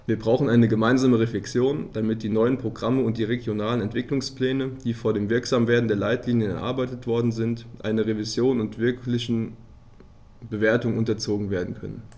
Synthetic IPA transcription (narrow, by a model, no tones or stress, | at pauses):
viːɐbʁaʊxn̩ʔaɪnəɡəmaɪnzaːməʁeflɛksjoːnd̥amɪt̚d̥iːnɔʏənpʁ̥oɡʁaməʊnt̚d̥iːʁeɡjonaːlənɛntv̥ɪklʊŋspl̥ɛːnəd̥iːfoːɐdeːmvɪɐkz̥aːmveːɐdn̩deːɐlaɪtliːnjənɛ̰ɐʔa̰ɐbaɪtətv̥ɔɐdn̩zɪntʔa̰ɪnɐʁevizjoːnʊntv̥ɪɐklɪçn̩ | bəveːɐtʊŋʔʊntɐt͡soːɡŋ̩veːɐdn̩kʰœ̰nə̰n